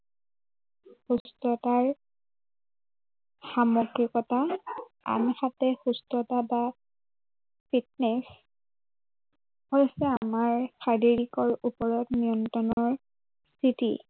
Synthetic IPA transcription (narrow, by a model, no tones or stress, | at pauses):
xustɹɔtaɹ | xamɔɡɹikɔta | a̰nxatɛxustɹɔtaba | pʰit̚nɛs | hojsɛamaɹxaɹiɹikɔɹupɔɹɔtnijɔntɔnɔɔɹ | sitḭ